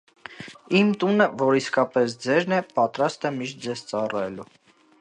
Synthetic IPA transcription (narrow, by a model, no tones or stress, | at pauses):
imt̪unəvɔɾiskɑpɛsd͡zɛɾnɛpɑt̪ɾɑst̪ɛmiʃt̪̚d͡zɛzt͡sɑrɛlu